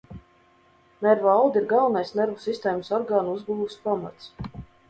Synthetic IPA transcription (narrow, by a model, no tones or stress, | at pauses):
nɛɾvalˠd̪iɾɡawnajsnɛɾvusist̪eːjməsɔɾɡaːnuuzɡuːuspama̰t̪s